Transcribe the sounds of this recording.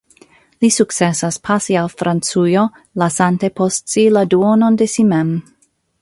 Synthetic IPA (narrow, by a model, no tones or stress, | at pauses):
lisuk̚t͡sesaspʰasialfɾant͡sujo | lasantepʰostsiladuonondesimɛm